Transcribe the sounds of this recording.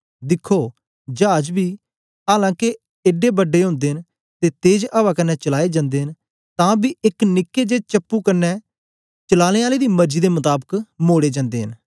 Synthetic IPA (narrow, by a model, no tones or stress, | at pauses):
d̪ɪkʰːoː | d͡ʒaːd͡ʒbiː | aːlãːke | eɖeːbəɖːeːɦʊ̃ːnd̪eːɦn | t̪eːt̪eːd͡ʒʔəbaːkənːɛːt͡ʃəlaːeːd͡ʒãːnd̪eːɦɪn | t̪ãːbiːɪknɪkːeːd͡ʒeːt͡ʃəpːuːkənːɛː | t͡ʃəlaːleːaːleːd̪iːməɾd͡ʒiːd̪eːmət̪aːbəkmoːɽeːd͡ʒãːnd̪eːɦən